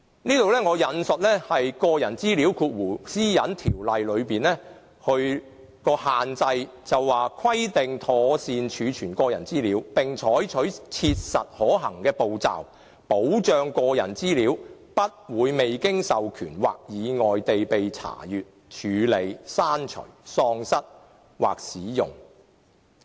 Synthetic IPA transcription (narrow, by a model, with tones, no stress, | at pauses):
niː˥t̪o˨wlɛː˥ŋɔː˨˧jɐ˨˧nsɵ˨t̚lɛː˥hɐ˨jkɔː˧jɐ˨˩nt͡siː˥liː˨˥wkʰuː˧t̚wuː˨˩siː˥jɐ˨˥nt̪ʰi˨˩wlɐ˨jlɵ˨˧ɥpiː˨nlɛː˥ | hɵ˧ɥ | kɔː˧haː˨nt͡sɐ˧j | t͡sɐ˨wːaː˨kʰwɐ˥jt̪ɪ˨ŋt̪ʰɔː˨˧siː˨˧nt͡ʃʰyː˨˧t͡ʃʰyː˨˩nkɔː˧jɐ˨˩nt͡siː˥liː˨˥wpɪ˨ŋt͡ʃʰɔː˨˥jt͡ʃʰɵ˨˥ɥt͡sʰiː˧t̚sɐ˨t̚hɔː˨˥ɦɐ˨˩ŋkɛː˧po˨wt͡sa̰ː˨w | po˨˥wt͡ʃœː˨˧ŋkɔː˧jɐ̰˨˩nt͡siː˥liː˨˧wpɐ˥t̚wuː˨˧jme˨jkɪ˥ŋsɐ˨wkʰy̰ː˨˩nwa̰ː˨k̚jiː˨˧ŋɔː˨jt̪e˨jpe˨jt͡sʰa̰ː˨˩jyː˨t̚t͡ʃʰyː˨˧le˨˧jsaː˥nt͡ʃʰɵ̰˨˩ɥsɔː˧ŋsɐ˥t̚ | wa̰ː˨˩k̚siː˨˥jʊ̰˨˩ŋ